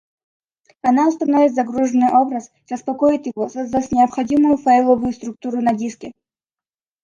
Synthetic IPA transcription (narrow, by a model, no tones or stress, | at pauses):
ɐnaʊst̪ɐnovʲɪt̪zɐɡɾuʐənːɨjʔobɾəs | səspɐkojɪt̪jɪvosɐzd̪asʲnʲɪɐpχɐdʲimʊjʊfajlˠovʊjʊst̪ɾuk̚t̪uɾʊnɐdʲiskʲɛ